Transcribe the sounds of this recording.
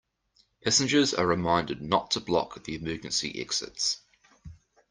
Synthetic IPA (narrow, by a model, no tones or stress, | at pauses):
pʰæsɪ̃nd͡ʒəzə̰ɹɪmãɪ̃ndɪdⁿnətʰəblɒ̰kðiɪmɜːd͡ʒə̃nsḭʔɛ̰ksɪ̰ts